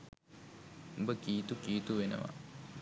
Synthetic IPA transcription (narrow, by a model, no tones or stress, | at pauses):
ubəkiːt̪ukiːt̪uʋenə̰ʋa̰